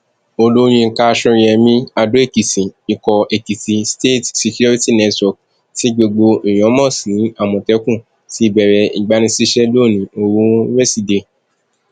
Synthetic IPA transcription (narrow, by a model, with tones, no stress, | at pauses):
o˧lo˦j̃ĩ˧ka˦˧ʃɔ̃˧˦ɛ˧mĩ˦a˧do˨˦e˦˨ki˨sĩ˨i˧kɔ˧e˨ki˨sĩ˨˧ste˦˨tsi˧ku˦i˦ti˦˨nɛ˧twɔ˨k | ti˦ɡ͡bo˧ɡ͡bo˧ʔi˨j̃ɔ̃˨˦mɔ̃˦˨sĩ˨˦a˦˨mɔ̃˨tɛ˨˦kũ˦˨ | ti˦˧bɛ˨ɾɛ˧i˨ɡ͡ba˨˦nĩ˧˦si˦ʃɛ˦lo˦˨nĩ˨˦o˧ɾũ˦wɛ˦˨si˨de˨